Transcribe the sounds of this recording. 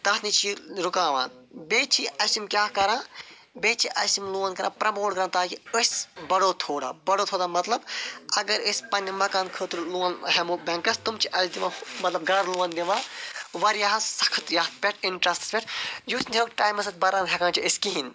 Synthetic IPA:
t̪ɐt̪nit͡ʃʰiɾukãːʋã̰ːnbeːt͡ʃʰiɐsumkʲaːkɐɾãː | beːt͡ʃʰiʔɐsimluːɐnkɐɾʔã̰ːpɾɐmoːɽɡɐɾaːnt̪aːkiəsʲbɐɽoːt̪ʰoːɽa̰ːbɐɽoːt̪ʰoːd̪aːmɐt̪lɐbɐɡɐɾəsʲpɐnʲːɐmɐkaːnkʰəːt̪uɾluːɐnɦemuːbɐŋkɐst̪umt͡ʃʰiʔɐsd̪iʋãːmɐt̪lɐb̚ɡɐɾluʋɐnd̪iʋãːʋɐɾjaːɦɐsɐ̥kʰɐt̪jaːt̪̚pʲeʈʰiɳʈɾɐst̪ɐ̥spʲeʈʰjusnʲikʈaːjmɐsɐt̪̚ʲbɐɾãːnɦʰʲɐkʰãːt͡ʃʰiəskiɦin

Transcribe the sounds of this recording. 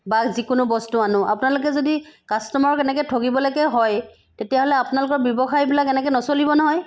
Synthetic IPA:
bazikʊnʊbɔstuanʊ̃ʔa̰pʊnalʊk̬ɛzodikastɔmaɹɔkɛnɛkɛtʰokibɔlaɡɛɦɔj | tetijaɦolɛapʊnalʊkɔɹbjɔbɔxajbilakɛnɛkɛnɔsolibɔnɔɦɔj

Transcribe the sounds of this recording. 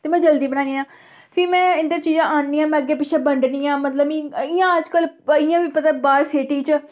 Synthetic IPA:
t̪eːmɛ̃ːd͡ʒəld̪iːbənaːniːãː | pʰɪːmɛ̃ːɪnd̪ət͡ʃiːzãːʔaːnniːãːmɛ̃ːəɡːeːpɪʃʰeːbəɳɖniːãːmət̪ləbĩɪjãːəd͡ʒkəlɪjãːʋiːpət̪aːbaːɾseːʈiːt͡ʃ

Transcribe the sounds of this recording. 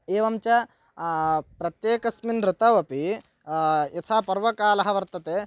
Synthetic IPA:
eːʋɐmt͡ʃɐ | pɾɐt̪jeːkɐsminɾɪt̪ɐʋɐpi | ɐt̪ʰaːpɐɾʋɐkaːlɐɦɐʋɐɾt̪ɐt̪eː

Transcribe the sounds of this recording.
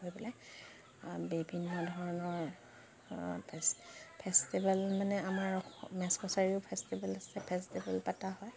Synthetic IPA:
ɦojbɔlaj | bibʱinːɔdʱɔɹɔnɔɹ | pʰɛstibalmanɛamaɹɔmɛskɔsaɹiʊpʰɛstibalasɛpʰɛstibalpataɦɔj

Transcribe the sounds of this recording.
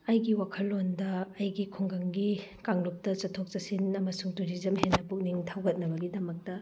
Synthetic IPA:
ɐjɡiwakʰɐlːondɐːjɡikʰuŋɡɐŋɡikaŋdok̚tɐt͡ʃɐtʰok̚t͡ʃɐsinɐmɐsuŋtuɾizɐmhenːɐpuk̚niŋtʰawɡɐt̚nɐbɐɡidɐmɐk̚tɐ

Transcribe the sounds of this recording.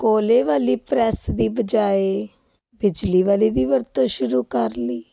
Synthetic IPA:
koːleːʋaːliːpɾɛːsd̪iːbəd͡ʒaːeː | bɪd͡ʒliːʋaːliːd̪iːʋəɾt̪õːʃʊɾuːkəɾliː

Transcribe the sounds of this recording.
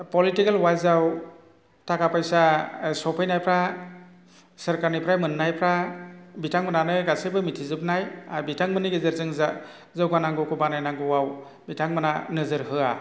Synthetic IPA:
pɔlitikelwajzaw | takapajsasɔpʰɯjnajpʰɾa | səɾkaɾnɯjpʰɾajmɯnːajpʰɾabitʰaŋmɯnanɯɡasɯjbɯmitʰizɯp̚najabitʰaŋmɯnɯɡezɯɾzɯŋza | zɯwɡanaŋɡɔkubanajnaŋɡɯwaw | bitʰaŋmɯnanɯzɯɾɦɯa

